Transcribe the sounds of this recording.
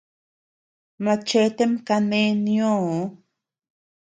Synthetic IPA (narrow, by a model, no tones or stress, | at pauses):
mat͡ʃet̪emkanenjo